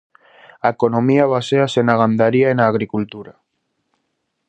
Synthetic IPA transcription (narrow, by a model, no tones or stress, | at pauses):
aekonomiaβaseasenaɣand̪aɾiaenaːɣ̞ɾikult̪uɾa